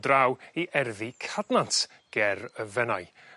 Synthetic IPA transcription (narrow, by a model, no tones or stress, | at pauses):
drawiʔɛrðikʰadnantʰ | ɡ̥ɛrəvɛnaj